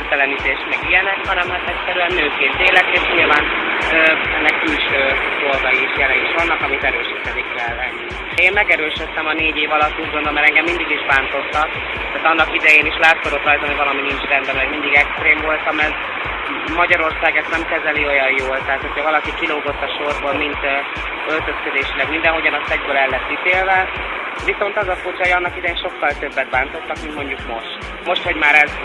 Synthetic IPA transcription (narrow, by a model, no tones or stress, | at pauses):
rt̪ɛlɛnit̪eːʃt̪mɛɡijɛnɛkhɒnɛmhat̪ɛcʲsɛɾyɛnːøːkeːnt̪eːlɛkeːʃɲilvaːnøːɛnːɛkkylʃøːd̪olɡɒjiːʃjɛlɛniʃvɒnːɒkɒmit̪ɛɾøːʃiːt̪ɛnikɛlːɛ | ʃeːmmɛɡɛɾøːʃøt̪ːɛmɒneːɟeːvɒlɒt̪ːuːɟɡond̪omːɛɾɛŋɡɛmːind̪iɡiʒbaːnt̪o̞t̪ːɒk | t̪aːt̪ɒnːɒkid̪ɛjeːniʃlaːt̪sod̪o̞t̪rɒjt̪ɒmivɒlɒminint͡ʃrɛnd̪ɛlɛmind̪iɡɛkst̪ɾeːmvo̞lt̪ɒmɛr | mɒɟɒɾo̞rsaːɡɛst̪nɛmkɛzɛlio̞jɒjjoːlt̪ɛɦaːt̪ocʰɒvɒlɒkikiloːɡo̞t̪ːɒʃorboːlmint̪ | ølt̪øskød̪eːʃilɛɡmind̪ɛnɦo̞ɟɒnɒsɛɟbøːlɛlːɛt̪ːit̪eːlvɛviso̞nt̪ɒzɒfut͡ʃɒojɒnːɒkid̪ɛjeːnʃo̞kːɒlt̪øbːɛt̪̚baːnt̪o̞t̪ːɒkmint̪mo̞ɲɟukmo̞ʃt̪ | mo̞ʃt̪ho̞ɟmaːɾɛz